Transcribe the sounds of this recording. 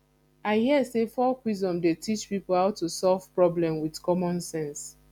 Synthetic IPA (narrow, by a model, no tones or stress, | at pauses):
aɪhiəsefɔkwizdɔ̃mdetʰit͡ʃpipol̩haʊtːusɔlv̥pɹɔblɛ̃mwidkɔmɔ̃nsɛ̃ns